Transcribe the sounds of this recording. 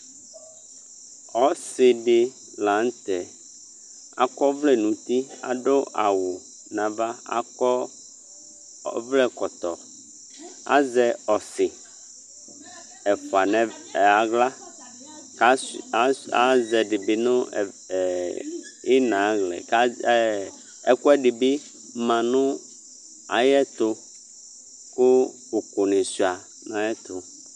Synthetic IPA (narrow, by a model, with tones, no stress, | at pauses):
ɔ˦sɪ˨ɖe˨ | lã˨˦n˦t̪ɛ˨ | a̰˨kɔ˦vlɛ˦nũ˨t̪i˦a̰˨ɖo˦ʔa˨wo˨ | nã˨va˦a̰˦kɔ˦ | vlɛ˦kɔ˨t̪ɔ˨ | a̰˦zɛ˦ɔ˨sɪ˨ | ɛ˨ɸɔ˨a˨nɛ̃˨ | ɛ˨a˨ɣla˦ | ka˦ | a˦zɛ˨ɖɪ˨bi˦nʊ̃˦˨ | i˦nã˨˦ɣlɛ̰˨k | ɛ˦kʊ˦ɛ˦ɖi˨bi˦ | mã˨nʊ̃˦ | a˨jɛ˦t̪ʊ˦ | kʊ˦ | ʊ˨kʊ˨nɪ̃˨sa˨ | nã˨˦jɛ˦t̪ʊ˨